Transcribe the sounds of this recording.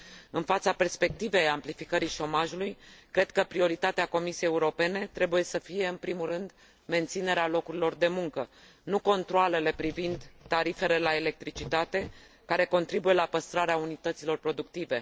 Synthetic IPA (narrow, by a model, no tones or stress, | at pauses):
ɨnfat̪sape̞rspe̞k̚t̪ive̞jamplifikəɾiʃo̞maʒulujkɾe̞d̪̥kəpɾio̞ɾit̪at̪eako̞misijejeuɾo̞pe̞ne̞t̪ɾe̞buje̞səfije̞ɨnpɾimurɨnd̪ | me̞nt̪sine̞ɾealo̞kuɾilo̞rd̪e̞muŋkə | nuko̞nt̪ɾoale̞le̞pɾivind̪t̪ːaɾife̞le̞lae̞le̞k̚t̪ɾit͡ʃit̪at̪e̞ | kaɾe̞ko̞nt̪ɾibuje̞lapəst̪ɾaɾeaunit̪ət̪silo̞rpɾo̞d̪uk̚t̪ive̞